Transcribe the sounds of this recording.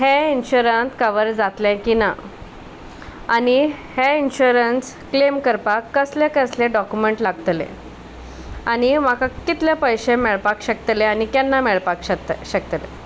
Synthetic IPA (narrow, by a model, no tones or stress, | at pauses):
ɦeinɕuɾənt͡skəʋəɾd͡zat̪lẽkina | aniheinɕuɾəns | klemkəɾpakːəslẽkəslẽɖɔkumeɳʈlaɡt̪lḛ̃ | añimakakit̪ljapəjɕemɛɭpakɕəkt̪leanikjanːamɛɭpakɕət̪ɕəkt̪lḛ